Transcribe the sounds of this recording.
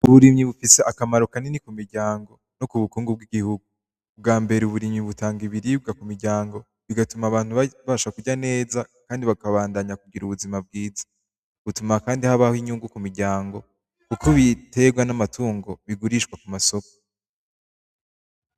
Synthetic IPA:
uβuɾimɲiβufise̞ʔakamaɾokanenikumiɾɟaːŋɡo̞ | nokuβukuːŋɡub̚ɡiɡihuɡu | bɡaːmbe̞ɾeuβuɾimɲiβutaːŋɡiβiɾiːb̚ɡakumiɾɟaːŋɡo̞ | βiɡatumaːβaːn̥huβaːʃakuɟane̞ːzakaːndiβakaβaːndaɲakuɡiɾuβuzimab̚ɡiːzḁ | βutumakaːndihaβahiɲuːŋɡukumiɾɟaːŋɡo̞ | kukʰoβite̞ɡwanamatʰuːŋɡo̞βiɡuɾiʃkwakumaso̞ko̥

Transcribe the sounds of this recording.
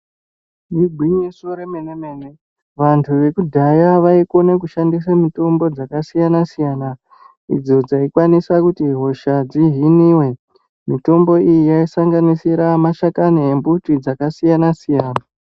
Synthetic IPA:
miɡʱwiɲisoɾemenemeːne | ʋantʰuʋe̞kudʱajaʋaiko̞nekuʃandis̬amuto̞mbo̞d͡zakasijanasijana | ḭd͡zo̞d͡zaikwanisakutiɦo̞ʃad͡ziɦiniːwe̞ | mito̞mbo̞ijijaisaŋɡanisiɾamaʃakaniembutid͡zakasijanasijaːna

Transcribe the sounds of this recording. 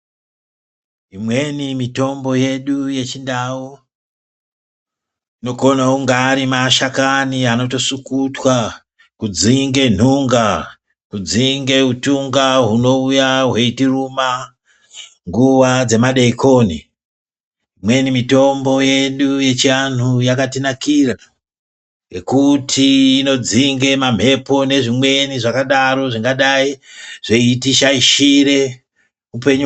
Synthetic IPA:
imwe̞nimito̞mbo̞je̞ɗuje̞t͡ʃindau | ino̞ko̞nauŋɡaːɾimaʃakaniano̞t̬o̞sukutwa | kud͡ziŋɡe̞n̤uŋɡa | kud͡ziŋɡe̞utuŋɡaɦuno̞ujaɦwe̞itiruma | ŋɡuʋad͡ze̞maɗeikʰo̞ni | mwe̞nimito̞mbo̞je̞ɗuje̞t͡ʃian̤ujakatinakira | ekutʰiːno̞d͡ziŋɡe̞mam̤e̞po̞ne̞ʐimwe̞niʐakaɗaɾo̞ʐiŋɡaɗaiʐ̥e̞itiʃaiʃiɾe̞ | upe̞ɲu

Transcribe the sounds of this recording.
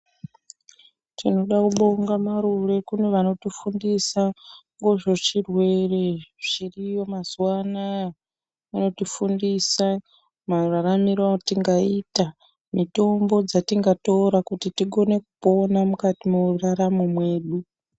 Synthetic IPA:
tino̞ɗakuɓo̞ŋɡamaɾure̞kune̞ʋano̞tifundisaŋɡo̞ʐo̞t͡ʃirwe̞reʐ̥irijo̞mazuwana | ʋano̞tifundisa | mararamirwatiŋɡaita | mito̞mbo̞d͡zatiŋɡato̞ɾakutitiɡo̞ne̞kupo̞namukatimouuraramumwe̞ːɗu

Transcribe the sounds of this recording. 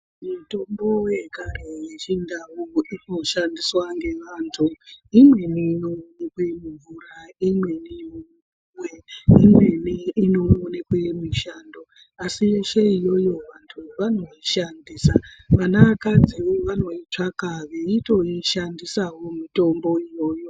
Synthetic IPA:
muto̞mbo̞wekarejet͡ʃindawuino̞ʃandiswaŋɡe̞ʋantʰuimwe̞nino̞nekwemuɱvuɾaimwe̞nimu | ŋwe̞imwe̞niino̞ːnekwemiʃando | asiʋeʃeijo̞jo̞ʋantʰuʋano̞iʃandiːsaʋanaakad͡zioʋano̞it͡ʂakaʋeito̞iʃandisawo̞mito̞mbo̞ijo̞ːjo̞

